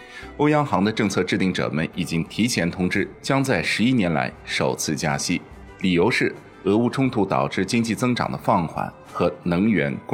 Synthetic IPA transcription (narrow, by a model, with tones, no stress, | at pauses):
o˥ʊjɑ˥ŋxɑ˧˥ŋd̪ə˧ʈ͡ʂɤ˥˧ŋt͡sʰɤ˥˧ʈ͡ʂɻ̩˥˧t̪i˥˩ŋʈ͡ʂɤ̰˨˩mə̰˦ni˨˩t͡ɕi˥ŋt̪ʰi˧˥t͡ɕʰjɛ˧˥nt̪ʰʊ˥ŋʈ͡ʂɻ̩˥t͡ɕjɑ˥ŋt͡sa˥˩ɪʂɻ̩˧˥i˥njɛ˧˥nla̰˧˥ɪʂo˨˩ʊt͡sʰɹ̩˥˧t͡ɕja˥ɕi˥ | li˨˩jo˧˥ʊʂɻ̩˥˩ | ɤ˧˥u˥˧ʈ͡ʂʰʊ˥ŋt̪ʰu˧˥t̪ɑ̰˨˩ʊʈ͡ʂɻ̩˥˩t͡ɕi˥ŋt͡ɕi˥˩t͡sɤ˥ŋʈ͡ʂɑ̰˨˩ŋd̪ə˦fɑ˥˩ŋxwa̰˨˩˦n | xɤ˧˥nɤ˧˥ŋɥɛ̰˧˥nk